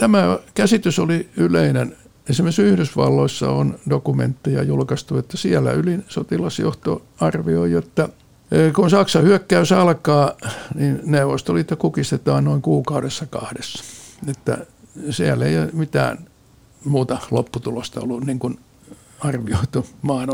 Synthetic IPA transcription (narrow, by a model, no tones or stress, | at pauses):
t̪æmækæsit̪ysoliyleinen | ensimesyhɾysʋɑ̰lːoisːɑ̰ondokumḛnt̪ːijɑ̰julkɑst̪uet̪ːæsiælːæ̰ylinsot̪ilɑsjo̰ht̪o̰ | ɑrʋioijot̪ːɑ | kunsɑksɑhyøkːæysɑlkɑːninneuʋost̪oliet̪ːækukist̪et̪ɑːnnoiŋkuːkɑuɾesːɑkɑ̰hdesːɑ̥et̪ːæ̰ | siælːeijomit̪æ̰ːn | muːt̪ɑlo̰pːut̪ulost̪ɑo̰lːunniŋkun | ɑrʋioit̪umɑːn